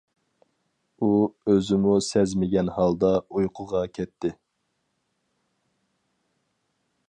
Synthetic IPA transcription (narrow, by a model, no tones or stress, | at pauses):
uøzɪmusɛzmɪɡʲɛnhɑlˠd̪ɑujqʰʊʁɑkʲʰɛt̪ʰːɪ